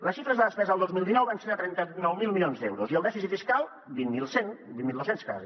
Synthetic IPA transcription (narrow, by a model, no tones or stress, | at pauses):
ləsʃifɾəzðəðəspɛzəəlˠd̪ozmilˠinɔwβansenət̪ɾɛnt̪ənɔwmilˠmiljonzd̪ɛwɾuziəlˠd̪ɛfisifiskalˠ | binmilˠsenbinmilˠd̪osenska̰zi